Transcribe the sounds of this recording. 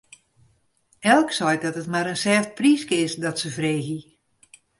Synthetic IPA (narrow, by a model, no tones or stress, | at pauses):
ɛlˠksɔjdɔtətmaɾənsɛːft̚priːskəɪsdɔtsəvreːɣi